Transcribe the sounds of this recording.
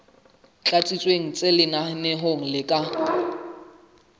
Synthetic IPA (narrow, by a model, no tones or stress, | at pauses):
t͡ɬʼat͡sʼit͡sʼweŋ̩t͡sʼelɪnanɛɦoŋ̩lɪkʼa